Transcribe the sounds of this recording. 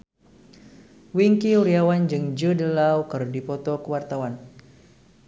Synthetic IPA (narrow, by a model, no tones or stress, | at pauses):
wiŋkiuɾiawand͡ʒɨŋd͡ʒədəlawkərdipɔt̪ɔkəwart̪awan